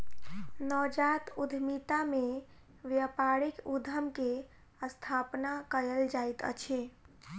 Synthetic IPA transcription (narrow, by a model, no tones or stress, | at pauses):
nɔd͡ʒat̪ud̪ʱmit̪ame | ʋjapaɾikud̪ʱəmke | əst̪ʰapnakəɾəld͡ʒajt̪ə̰t͡ʃʰi